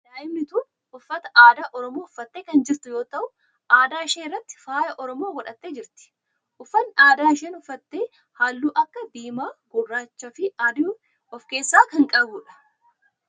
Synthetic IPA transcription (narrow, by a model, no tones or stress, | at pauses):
d̪aːʔɪmnɪt̪uːn | ʔʊfːɐt̪ɐ̥ʔaːd̪aːʔɔɾɔmoːʊfːɐt̪ːe̞ːkɐnd͡ʒɪɾt̪ʊjoːt̪ɐʔʊ | ʔaːd̪aːɪʃeːrːɐt̪ːɪ̥faːjɐʔɔɾɔmoːɡɔᶑɐt̪ːe̞ːd͡ʒɪɾt̪ɪ̥ | ʔʊfːɐnːʔaːd̪aːɪʃeːnɔfːɐt̪ːe̞ː | haːlːuːʔɐkːɐb̪iːmaːɡʊrːaːt͡ʃːɐfɪaːd̪ | ɔfke̞ːsːaːkɐŋkʼɐbuːᶑɐ̥